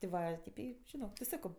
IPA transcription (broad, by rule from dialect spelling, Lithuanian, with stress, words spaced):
tʲɪ ˈʋɐ ˈtʲɪp ˈiː ʒʲɪˈnoːk tʲɪ ˈsɑːkoː